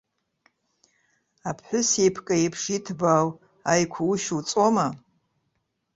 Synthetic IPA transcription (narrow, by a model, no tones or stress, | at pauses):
apʰħʷʊsepʰkʼaipʰʂitʰbaw | ajkʷʰauʃut͡sʼoma